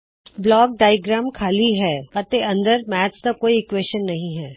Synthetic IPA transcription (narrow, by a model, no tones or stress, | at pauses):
blɔːk̚ɖaːjɡɾaːmkʰaːliɦɛːɐt̪eɐ̃nd̪əɾmɛːsd̪akoːiɪkweːʃənːɐɦĩɦɛː